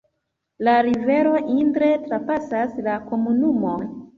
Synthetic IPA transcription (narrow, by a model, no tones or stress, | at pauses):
laɾive̞ɾo̞ʔintɾe̞tɾapasaslako̞munumo̞n